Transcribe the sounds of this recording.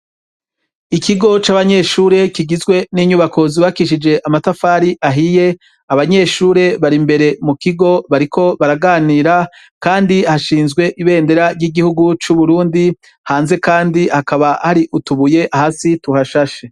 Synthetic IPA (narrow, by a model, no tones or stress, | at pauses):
ikiɡo̞t͡ʃaːβaɲe̞ʃuːɾe̞kiɡizɡwe̞niɲuβakʰo̞ziβakiʃ̬id͡ʒe̞ʔamatafaːɾiʔaɦije̞ | aβaɲe̞ːʃuːɾe̞βaɾimbe̞ɾe̞mukiɡo̞βaɾikʰo̞βaɾaɡaːniːɾa | kaːndihaʃiːnzɡwe̞ʔiβe̞ːnde̞ɾaɾjiɡihuɡut͡ʃuβuɾuːndi | haːnze̞kaːndihakaβahaɾiʔutuβuje̞ʔahasituhaʃaʃe